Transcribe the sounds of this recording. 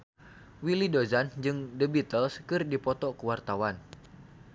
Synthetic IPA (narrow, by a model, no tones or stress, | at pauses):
wilidozand͡ʒɨŋdəbit̪əlskɨrdipɔt̪ɔkuwart̪awan